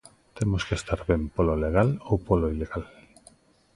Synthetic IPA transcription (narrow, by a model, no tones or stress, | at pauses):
t̪emoskest̪aɾβempololeɣ̞alowpoloileɣal